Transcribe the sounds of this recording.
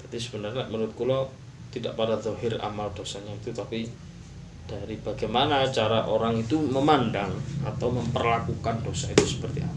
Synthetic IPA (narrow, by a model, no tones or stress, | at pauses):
t̪ad̪isəbənərɲaaʔmənuɾʊt̪̚kulɔ | t̪ida̰ʔpadaðɔɦɪra̰mald̥osaɲait̪ut̪api | d̥aɾib̥aɡajmanat͡ʃaɾaʔoɾaŋit̪uməmandaŋat̪awməmpərlakukandosait̪usə̥pərt̪ia̰p